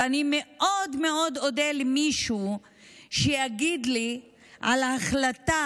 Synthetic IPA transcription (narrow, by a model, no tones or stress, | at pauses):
anime̞ʔodme̞od̪o̞delimiʃu | ʃejaɡid̪li | ʔalaaχlat̪a